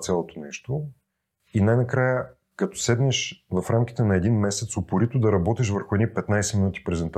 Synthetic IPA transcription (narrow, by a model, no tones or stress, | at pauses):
t̪sʲalˠot̪onɛʃt̪o | inajnɐkɾajə | kɐt̪ɔ̥sɛd̪nɛʃvɐfɾamkʲi̥t̪ɛnɐɛd̪inmɛsɛt̪sopʊɾit̪ʊd̪ɐɾɐbɔt̪iʃ̬vəɾxʊɛd̪nipɛt̪najsɛminut̪i̥pɾɛzɛnt̪